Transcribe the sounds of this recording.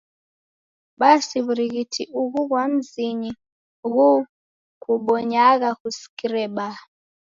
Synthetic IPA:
ɓasiβuɾiɣitʰiʔuɣuɣwam̩ziɲi | ɣu | kuɓɔɲaɣakusi̥kiɾɛɓa

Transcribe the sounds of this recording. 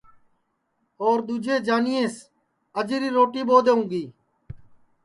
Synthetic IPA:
oːɾd̪uːd͡ʒeːd͡ʒaːnijẽːs | əd͡ʒɾiːɾoːʈiːboːd̪eːũːɡiː

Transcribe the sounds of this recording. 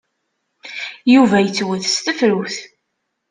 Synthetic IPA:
juvæjət͡sːwəθst̪əfɾuθ

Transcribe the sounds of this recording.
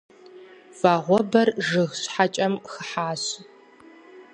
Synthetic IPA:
vaːʁʷɔbɐrʒɨxɕħat͡ʃʼɐmxəħaːɕ

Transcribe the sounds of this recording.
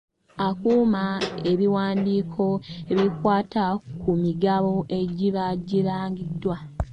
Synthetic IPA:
akuːmae̞βiwaːndiːkʰo̞eβikwaːtakumiɡaβo̞ʔe̞ɟiβaɟiɾaːŋɡidːwa

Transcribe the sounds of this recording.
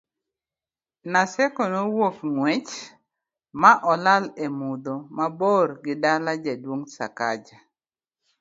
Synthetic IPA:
nasɛkonowofŋwet͡ʃ | maʔɔlalemud̪omaborɡɪdalad͡ʒadwoŋsa̰ka̰d͡ʒa

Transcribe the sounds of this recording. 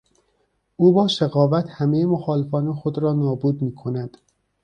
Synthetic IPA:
ʔuːbɒːʃeɣɒːvæt̪hæmejemoxɒːle̞fɒːnexod̪ɾɒːnɒːbuːd̪miːkʰo̞næd̪̥

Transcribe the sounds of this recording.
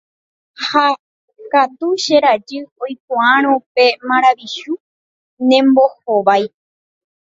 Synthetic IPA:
ha | kat̪uʃeɾad͡ʒɨojk̚õãɾ̃õpe̞mãɾ̃aʋiʃu | nẽmbo̞hoʋaj

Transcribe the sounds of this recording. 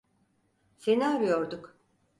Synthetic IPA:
senaaɾyjoɾd̪uk

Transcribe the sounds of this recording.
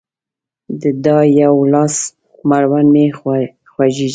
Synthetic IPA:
d̪əd̪ɑjawlɑs | maɾwanme | xwaʒi

